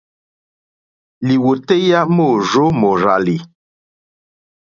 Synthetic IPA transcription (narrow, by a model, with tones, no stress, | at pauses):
li˨wo˨te˦ja˦mo˦˨zo˦mo˨ɾa˨li˨